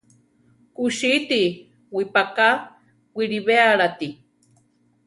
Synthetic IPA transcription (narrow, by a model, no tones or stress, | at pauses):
kuʃit̪i | wipaka | wiɾiβeaɾat̪i